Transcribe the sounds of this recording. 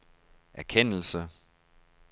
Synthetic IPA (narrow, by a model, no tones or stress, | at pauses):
ʔæɐkʰen̰l̩sə